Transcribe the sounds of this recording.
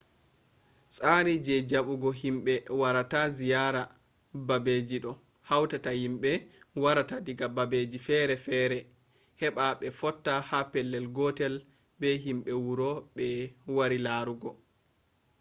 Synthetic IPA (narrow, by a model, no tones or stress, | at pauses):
sʼaɾid͡ʒɛd͡ʒaɓuɡɔhimɓɛwaɾatazijaɾa | babed͡ʒiɗɔ | hawtatahimɓɛwaɾatadiɡababed͡ʒifɛɾɛfɛɾɛ | hɛɓaɓɛfɔtːahapɛlːɛlɡɔtɛl | bɛɦimɓɛwuɾɔɓɛwaɾilaɾuɡɔ